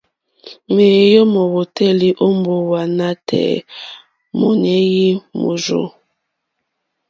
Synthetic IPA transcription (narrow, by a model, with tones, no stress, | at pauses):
me˨jɔ˦mɔ˨wo˨tɛ˦˨li˦ʔo˦m˦bo˦wa˨na˦tʰɛ̰˨ | mo˨ne˦ji˦mo̰˨zo̰˦